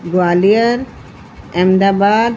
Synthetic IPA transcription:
ɡʊaːlijəɾ | ɛmd̪aːbaːd̪

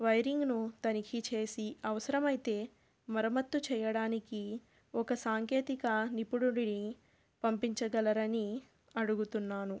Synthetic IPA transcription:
ʋɐjɾiŋɡnut̪ɐnikʰit͡ʃe̞ːsiɐʋɐsɐɾɐmɐjt̪e̞ː | mɐɾɐmɐt̪ːut͡ʃɛːjɐɽaːniki | ɔkɐsaːŋke̞ːt̪ikɐnipuɽuɽini | pɐmpiɲt͡ʃɐɡɐlɐɾɐni | ɐɽuɡut̪unːaːnu

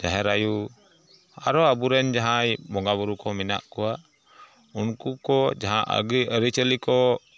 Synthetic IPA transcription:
d͡ʒaɦɛɾaju | a̰ɾɔabuɾɛnd͡ʒaɦajbɔŋɡaβuɾukɔmina̰ʔkɔwa | unkukɔd͡ʒaɦãʔə̰ɡijəɾit͡ʃəlikɔ

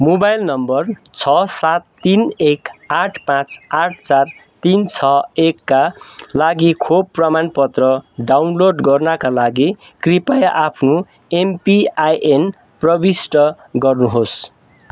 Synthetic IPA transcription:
mobajlnʌmbʌrt͡sʰʌsat̪ːinekaʈʰpãt͡saʈʰt͡sart̪int͡sʰʌekːalaɡikʰobpːrʌmanpʌt̪rʌɖawnloɖɡʌrnakalaɡi | kripajʔapʰnu | empiajʔen | prʌbisʈʌ | ɡʌrnuɦos

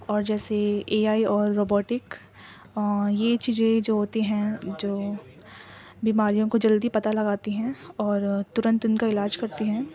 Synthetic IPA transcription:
ɔːɾd͡ʒɛːseeːaːiɔːɾːoːbɔːʈɪk | jet͡ʃiːzẽd͡ʒoːɦoːt̪iɦɛ̃d͡ʒoː | biːmaːɾijõkod͡ʒɐld̪ipɐt̪alɐɡaːt̪iɦɛ̃ɔːɾt̪ʊɾə̃nt̪ʊnkaɪlaːd͡ʒkɐɾt̪iɦɛ̃ː

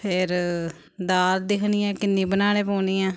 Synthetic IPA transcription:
pʰɪɾ | d̪aːld̪ɪkʰniːɛ̃ːkɪnːĩːbənaːneːpəːniːãː

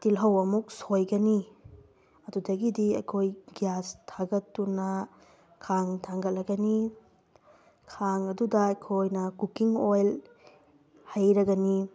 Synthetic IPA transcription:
tilɦɐwɐmuk̚sojɡɐni | ɐdudɐɡidiɐ̰jkʰojɡijastʰaɡɐtːunɐ | kʰaŋtʰaŋɡɐlːɐɡɐni | kʰaŋɐdudɐɐjkʰojnɐkukiŋojl | hajɾɐɡɐni

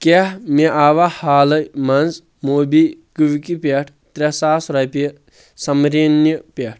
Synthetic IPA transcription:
kehmeʔaːʋahaːlɐjmɐnz | moːbikuʋkipʲeʈʰt̪ɾesaːsɾɐpi | sɐmɾenjipʲeʈʰ

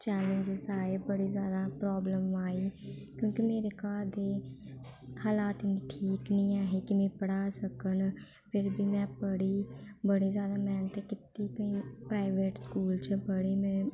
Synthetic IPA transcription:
t͡ʃɛːlə̃ɲd͡ʒɪzaːeːbəɽiːzjaːd̪aːpɾoːbləmaːiːkjõːkimeːɾeːkaːɾd̪eː | haːlaːt̪nʈʰiːknĩːaːɦeːkɪmɛ̃ːpəɽaːsəkən | pʰɪɾbʱiːmɛ̃ːpəɽiːbəɽiːzjaːd̪aːmɛːnt̪eːkɪt̪iːkəĩːpɾaːɪʋeːʈskuːlt͡ʃbəɽiːmɛ̃ː

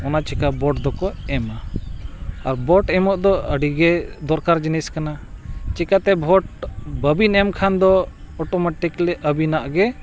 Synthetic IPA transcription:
ɔnat͡ʃɛkabɔʈd̪ɔkɔɛma | aɾbɔʈɛmɔʔd̪ɔəɖiɡɛd̪ɔɾkaɾd͡ʒinɛskanat͡ʃikat̪ɛbʱɔʈbəbinɛmkʰand̪ɔɔʈɔmaʈiklɛʔəbinaʔɡɛ

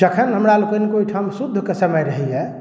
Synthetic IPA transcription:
d͡ʒəkʰənɦəmɾalekənekoiʈʰamsud̪ʱːkesəməjɾəɦiɛ

